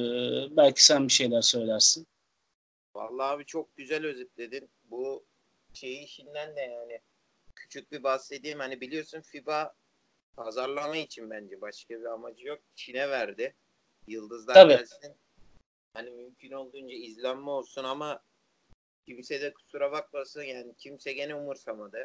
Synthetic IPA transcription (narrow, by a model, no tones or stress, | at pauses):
bælʲcʰi̥sænbiʃe̞jlʲæɾsø̞jlʲæɾsin | va̰lˠːaːβit͡ʃʰo̞k̚ɟyzælʲø̞zic̚lʲe̞d̪in | bu | ʃe̞jiːʃind̪ænd̪ɛjaːnɪ | cʰy̥t͡ʃʰyc̚bibasːe̞d̪iːmhanibilʲijo̞ɾsunfiba | pʰazaɾlˠamait͡ʃʰinbænd͡ʒɛbaʃkabiamad͡ʒɯjo̞k̚t͡ʃʰinɛvæɾd̪ɪ | jɯlˠd̪ɯzd̪aabɛlʲsin | hanimymcʰyno̞lˠd̪uːnd͡ʒaizlʲæmːo̞lˠsunama | cʰimsɛd̪ɛkʰu̥suɾaβak̚masɯnjaːnicʰimsɛɟe̞nɛumuɾsamad̪ɯ